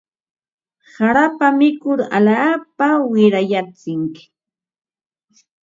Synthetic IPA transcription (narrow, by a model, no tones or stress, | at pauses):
saɾapamɪkʊɾa̰laːpawɪɾajat͡sɪŋkɪ̥